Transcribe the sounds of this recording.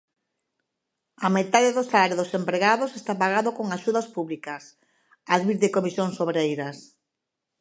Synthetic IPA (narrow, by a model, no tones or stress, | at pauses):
amet̪aðeðosalaɾjoðosempɾeɣaðosest̪apaɣaðokoŋaʃuðɐspuβlikɐs | aðβiɾðɪkomisjoŋsoβɾejɾɐs